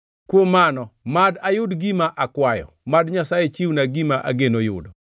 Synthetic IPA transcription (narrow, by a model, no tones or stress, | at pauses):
kwomːanɔmadajʊdɡimaʔakwajɔ̰ | madɲasajɛt͡ʃiwnaɡimaʔa̰ɡenojʊ̰dɔ